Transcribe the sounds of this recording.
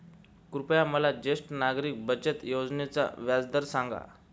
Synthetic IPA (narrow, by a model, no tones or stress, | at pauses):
kɾupjaməlad͡ʑesʈnaɡɾiːk̚bəd͡ʑət̪jod͡znet͡sa̰ʋjad͡zd̪əɾsaŋɡa̰